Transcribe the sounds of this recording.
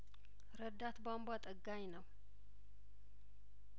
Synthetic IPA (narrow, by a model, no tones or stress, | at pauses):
ɾəd̪ːat̪bambat̪ʼəɡːaɲnəw